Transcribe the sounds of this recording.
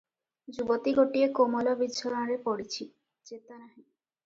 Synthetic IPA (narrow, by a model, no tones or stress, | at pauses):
d͡ʑubot̪iɡoʈiekomolobid̪ʃʰoɾaɾepoɽit͡ɕʰi | d͡ʑet̪anaɦi